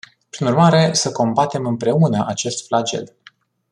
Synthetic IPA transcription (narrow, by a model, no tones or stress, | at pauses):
pɾinurmaɾe̞səko̞mbat̪e̞mɨmpɾe̞unəʔat͡ʃe̞st̪flad͡ʒe̞̰l